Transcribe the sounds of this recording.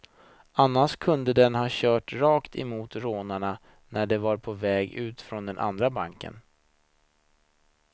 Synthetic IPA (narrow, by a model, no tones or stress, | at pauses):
anːaʂkʰɵnd̪əd̪ɛnhɑːɕœːʈɾɑːkt̪ʰɛmuːt̪ɾoːnaɳa | næɖɛvaɾpʰɔvɛːɡʉ̟ːt̪fɾɔnd̪ɛnʔa̰nd̪ɾabaŋkə̰n